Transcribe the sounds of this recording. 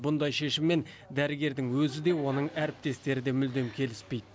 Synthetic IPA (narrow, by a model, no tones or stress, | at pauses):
bʊnd̪ɑjʃe̞ʃɪmːe̞n | d̪æɾɪɡʲe̞ɾd̪ɪŋwɵzɪd̪e̞wo̞nəɴæɾɪp̚t̪e̞st̪e̞ɾɪd̪e̞mʏld̪e̞mkʲʰe̞lɪspe̞jd̪ɪ